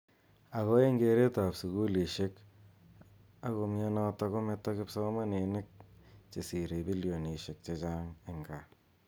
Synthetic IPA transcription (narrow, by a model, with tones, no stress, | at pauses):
a˨ɣɔ˦e˦ŋɡe˨ɾe˦ta˨psu˨ɣu˦li˨ʃe˦k | a˦ɣo˧mja˦nɔ˦tɔ˦ko˦me˦tːa˦kɪ˦psɔ˦ma˦ne˨nɪ˦k̚t͡ʃe˨si˨ɾe˨bi˦ljo˨ni˨ʃe˨k̚t͡ʃe˦t͡ʃa˦ŋɪ˨ŋɡa˨